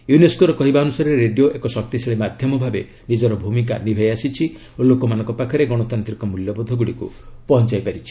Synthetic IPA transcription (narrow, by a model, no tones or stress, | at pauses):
juneskoɾɔkɔɦibaɔnusaɾɔɾeɾeɖijoʔekɔsɔk̚t̪isʰeɭemad̪ʱjɔmɔbʱabe | nid͡ʒɔɾɔbʱumika̰nibʱajasit͡ʃʰi | olokɔmanɔ̃ŋkɔpakʰɔɾeɡɔɽ̃ɔt̪ant̪ɾikɔmuljɔbɔd̪ʱːɔɡuɽikṵ | pɔɦɔnt͡ʃajpaɾit͡ʃʰi̥